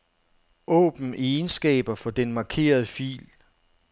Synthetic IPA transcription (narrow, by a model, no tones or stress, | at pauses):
ɔ̰̽ːb̥n̩ensɡ̥ɛ̰ːb̥ɐfɒ̽d̥enmɑ̈kʰe̝̰ːɐð̞ˠəfḭːl